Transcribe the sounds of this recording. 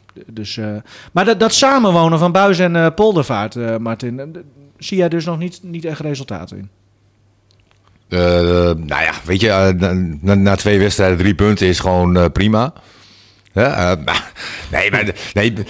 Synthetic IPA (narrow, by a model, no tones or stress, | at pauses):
døsmaddɔtsaːmənʋoːwnəfɔnbœɥzɛnəpolˠdəfaːrtəmartɪn | sijɛjdøs̬nɔxnitnitɛxresəlˠtʰa̰ːtɪ̰n | əno̰ja̰ʋetjə | anatʰʋejʋɛtstrɛjdədripøntəɪsxʋoːnprima | hɛəma̰nḛjmanej